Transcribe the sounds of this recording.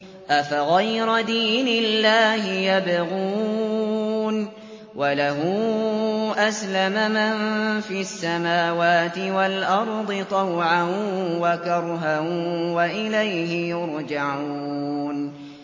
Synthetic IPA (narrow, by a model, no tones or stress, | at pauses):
ʔafaɣajɾʊd̪iːnɪlːaːhɪjabɣuː | n | walaɦʊ | ʔaslamamanfisːamaːwaːt̪ɪwalʔɑɾˤd̪ˤɨt̪ˤɑwʕanwakɑɾˤɦawaʔɪlajɦɪjʊɾd͡ʒaʕuuːn